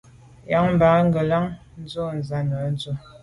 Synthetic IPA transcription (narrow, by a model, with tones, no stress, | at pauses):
ja˨˦ŋm̩˨ba˨˦ŋ˦ɡə˨la˦ŋ | n̩˦zo˦n˨za˨˦nə˨˦n˦zə˦˨